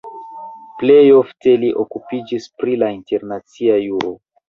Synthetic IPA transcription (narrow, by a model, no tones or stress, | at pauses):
ple̞jo̞fte̞liʔokupid͡ʒispɾilainte̞ɾnat͡siajuɾo̞